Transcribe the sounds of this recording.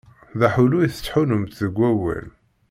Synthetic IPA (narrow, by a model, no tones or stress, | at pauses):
ðæħulujiθə̥t͡sːħunʊmt̪ðəɡʷːæwæ̰l